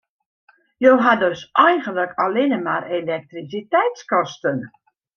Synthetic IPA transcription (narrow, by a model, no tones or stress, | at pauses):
jowɦadøsɛjɣənləkʰalɪnəmarelɛk̚trisitɛjtskɔstən